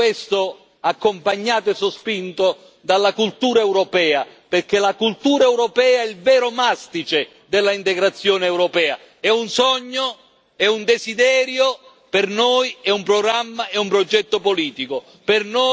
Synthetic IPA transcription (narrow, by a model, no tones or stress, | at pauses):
est̪o | akːompaɲːaːt̪oesːospint̪o | d̪alːakult̪uːɾaewɾopɛːaperk̟elakult̪uːɾaɛwɾopɛːaɛilvɛːɾomast̪it͡ʃe | d̪elːaint̪eɡɾat̪sːjoːneːwɾopɛːa̰ | ɛunsɔɲːo | ɛund̪ezid̪ɛːɾjo | pernojɛumpɾoɡɾamːaɛumpɾod͡ʒɛt̪ːopoliːt̪iko | perno